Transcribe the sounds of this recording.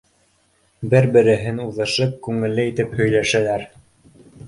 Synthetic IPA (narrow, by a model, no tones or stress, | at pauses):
bɘɾbɘ̆ɾɘ̆ɦɘnuðɤ̆ʃɤp̚kʉŋɘ̆lːɘit̪ɘphɵ̆jlæʃælæɾ